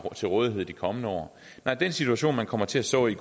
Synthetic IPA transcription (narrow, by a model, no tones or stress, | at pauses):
t͡sʰe̝lʁɔːð̞ˠiɦe̝ð̞̰ˠd̥ikʰɒ̽mənəɒ̰ː | nɑ̈ɪ̰d̥ensit͡sʰuæɕo̝̰ːnmænkʰɒ̽m̰ɐt͡sʰe̝æsd̥ɔ̰̽ːiɡ̥